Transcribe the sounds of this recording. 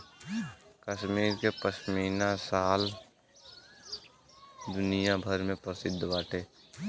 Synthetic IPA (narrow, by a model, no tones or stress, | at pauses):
kəʃmiːɾkepəʃmiːnasaːl | d̪ʊnijabʱəɾmẽpəsɪd̪ʱːbaːʈʰeː